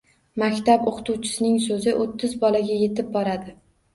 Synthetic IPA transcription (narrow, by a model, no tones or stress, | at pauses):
makʲt̪apoqʰt̪ʰuwt͡ʃʰɪ̥sɪnɪŋsozɪʔot̪ʰːɪzbɒlaɡʲaje̞t̪ʰɪb̚bɒɾad̪ɪ